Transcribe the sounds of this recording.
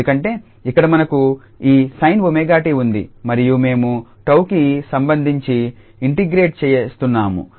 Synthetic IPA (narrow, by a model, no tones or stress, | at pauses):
ukɐɳʈe̞ː | ikːɐɽɐmɐnɐku | iːsɐjnʋumeːɡaːʈiːund̪ḭmɐɾijume̞ːmuʈɐwkisɐmbɐnd̪ʱiɲt͡ʃi | iɳʈiɡɾe̞ːʈ̚t͡ʃɛːjest̪unːaːmṵ